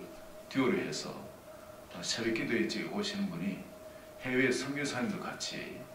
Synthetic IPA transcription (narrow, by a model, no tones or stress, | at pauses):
tioɾiɦesʰʌ̰ | sʰeɾik͈ːidet͡ɕ͈iɡḛoɕʰinɯnbuni | heweːsʰʌŋɡesʰaimd̪okat͡ɕʰiiḛ